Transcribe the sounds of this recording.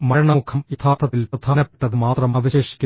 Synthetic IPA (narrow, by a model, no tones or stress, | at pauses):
mɐɻɐɳɐmukʰɐmit̪ʰaːt̪ʰɐt̪ːilprɐd̪ʱaːnɐpːe̥ʈːɐðɨmaːt̪rɐmɐʋiɕeːʂi̥kʲːu